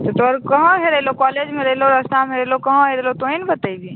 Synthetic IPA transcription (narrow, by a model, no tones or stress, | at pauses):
t̪ot̪oɔɾkɐɦãɦeɾəɦlokɔːleːd͡ʒmẽɾeɦloɾɐst̪amẽɾelokɐɦãɦeɾelot̪oinbət̪aiɡi